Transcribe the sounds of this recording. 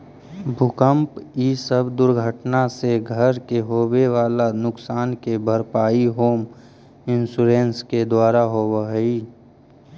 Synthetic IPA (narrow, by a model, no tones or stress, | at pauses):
bʱʊkəmpiːsəbd̪ʊɾɡʱəʈnaseɡʱəɾkeɦoːweʋaːlanʊksaːnkebʱəɾpaːiɦoːm | ɪnsuɾẽːnsked̪waːɾaɦoːwəɦiː